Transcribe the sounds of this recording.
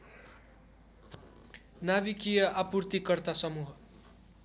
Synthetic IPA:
naβikijʌʔapurt̪ikʌrt̪asʌmuɦʌ

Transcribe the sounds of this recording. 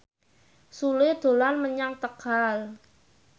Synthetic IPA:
sulɪd̪̥o̤lanməɲaŋt̪əkal

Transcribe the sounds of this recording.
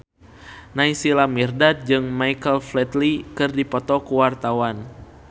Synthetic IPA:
naisilamirdad̪̚d͡ʒɨŋmajkəlflɛt̪likɨrdipɔt̪ɔkuwart̪awan

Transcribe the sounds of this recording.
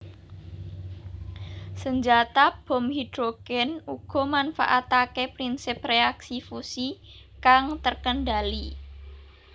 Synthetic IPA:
səɲd͡ʒat̪ab̥ɔ̤mhid̪̥ɾoɡ̥ɛnuɡ̥ɔ̤manfa̰ʔat̪akepɾinsɪpreaksifusi | kaŋt̪ərkənɖali

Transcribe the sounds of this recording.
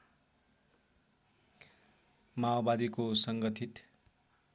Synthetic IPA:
maobad̪ikosʌŋɡʌt̪ʰit̪

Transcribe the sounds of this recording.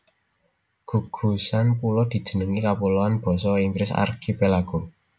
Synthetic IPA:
ɡ̥ṳɡ̥ṳsanpulɔd̪̥i̤d̥ʒ̥ə̤nəŋikapuloanb̥ɔ̤sɔiŋɡɾɪsa̰rkʰipelaɡ̥o

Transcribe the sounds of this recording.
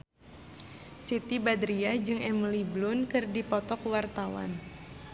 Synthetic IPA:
sit̪ibad̪ɾiad͡ʒɨŋɛməliblʊnkɨrdipɔt̪ɔkwart̪awa̰n

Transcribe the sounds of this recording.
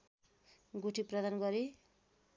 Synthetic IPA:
ɡuʈʰiprʌd̪anɡʌɾi

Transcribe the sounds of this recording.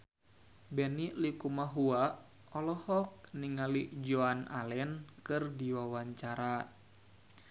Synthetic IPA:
bɛnilikumaɦuaʔ | ɔlɔhɔk̚niŋalid͡ʒoanalɛnkɨrdiwawaɲt͡ʃaɾa

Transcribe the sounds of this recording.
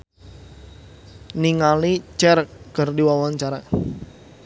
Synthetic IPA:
niŋalit͡ʃɛrɡ̥ərdiwawaɲt͡ʃaɾa

